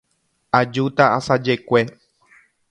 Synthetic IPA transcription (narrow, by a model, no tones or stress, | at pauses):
ad͡ʒut̪aasad͡ʒe̞kʷe